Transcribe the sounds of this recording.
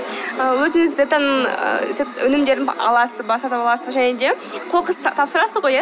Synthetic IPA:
əwɵzɪŋɪzet̪anəɴə̰zet̪ɵnɪmd̪e̞ɾd̪ɪɑ̰lˠɑsəbɑsɑt̪əpɑlˠɑsəʒæned̪e̞ | q̪ʰo̞qəst̪ʰɑpsəɾɑsəzʁoja

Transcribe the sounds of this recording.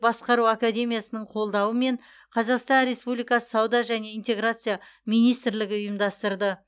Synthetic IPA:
bɑsqɑɾuakad̪ʲe̞mʲijasənəɴqʰo̞lˠd̪ɑwəme̞ɴ | qʰɑzɑqst̪ɑnɾe̞spublijkɑsə̥sɑwd̪ɑʒæne̞ijnt̪e̞ɡɾat̪sɨjamijnijst̪ɪɾlɪɡʲɪʊjəmd̪ɑst̪əɾd̪ə

